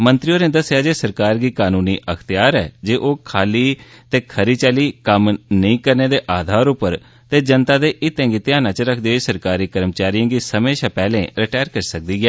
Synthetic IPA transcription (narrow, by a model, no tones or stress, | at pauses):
mə̃nt̪ɾijoːnẽːd̪əsɪjaːd͡ʒeːsəɾkaːɾɡiːkaːnuːniːʔəkʰt̪ɪjaːɾɛːd͡ʒeːʔoːkʰaːliːt̪eːkʰəɾiːt͡ʃaːliːkəmnəĩːkəɾneːd̪eːʔaːd̪ʱaːɾʊpːəɾ | t̪eːd͡ʒənt̪aːd̪eːʔɪt̪ːẽːɡiːt̪ɪjaːnãːt͡ʃɾəkʰd̪iːsəɾkaːɾiːkəɾmət͡ʃaːɾijãːɡiːsəmẽːʃãːpɛːlẽːɾɪʈaːjəɾkəɾsək̚d̪iːɡɛː